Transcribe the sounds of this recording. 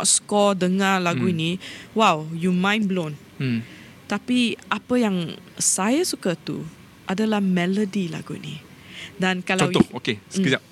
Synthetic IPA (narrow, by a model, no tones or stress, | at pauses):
ʔskɔdəŋalaɡuiniwawjumãjnblõn | t̪apiʔapəjãŋsajasukat̪ṵ | ʔadəlahmɛlodila̰ɡuḭni | dãnkalw̪ɔokesiza